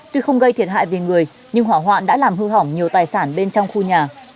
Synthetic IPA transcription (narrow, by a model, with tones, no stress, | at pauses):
t̪u˧xə˧wŋ͡mɣə˧jt̪ʰi˨˩ət̚ɦa̰ː˧˨jve˨˩ŋɨ˨˩əj | ɲɨ˧ŋɦwaː˧˩ɦwa̰ː˧˨nɗa̰ː˧˥laː˨˩mɦɨ˧ɦɔ˧˩wŋ͡mɲi˨˩əwt̪aː˨˩jsaː˧˩nɓe˧nt͡ɕɔ˧wŋ͡mxu˧ɲaː˨˩